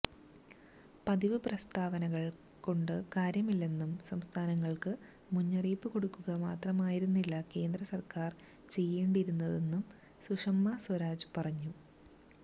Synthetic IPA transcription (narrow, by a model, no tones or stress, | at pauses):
pɐðiʋɨprɐst̪ʰaːʋɐnɐɣɐɭ | ko̞ɳɖɨkaːɾjɐmilːe̞nːumsɐmst̪ʰaːnɐŋːɐɭkɨ | muɲːɐriːpːɨko̞ɽukːuɣɐmaːt̪rɐmaːjiɾunːilːɐke̞ːnd̪rɐsɐrkaːr | t͡ɕe̞jːeːɳɖiɾunːɐðe̞nːum | suʂɐmːɐswɐɾaːd͡ʑpɐrɐɲːu